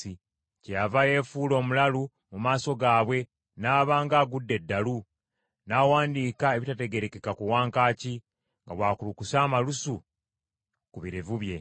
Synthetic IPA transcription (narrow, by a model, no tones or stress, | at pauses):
i | cejavaje̞ːfuːlo̞ːmulalu | mumaːso̞ɡaːβwe̞ | naːβaːŋɡaːɡudːe̞dːalu | naːwaːndiːkae̞βitate̞ɡe̞ɾe̞ke̞kakuwaːŋkaːci | ŋɡaβwaːkulukusaːmalusu | kuβiɾevuβje̞